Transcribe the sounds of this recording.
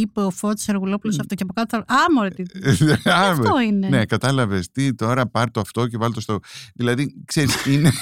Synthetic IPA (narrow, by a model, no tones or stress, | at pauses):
ipeofot̪i̥seɾɣulo̞pulosɐft̪o̞ceɐpokɐt̪oθɐɐmoɾeitɐmt̪oinene̞kɐt̪ɐlɐvest̪it̪o̞ɾɐpɐɾt̪oɐft̪o̞ce̞vɐlt̪ost̪ooðilɐðikse̞ɾist̪iine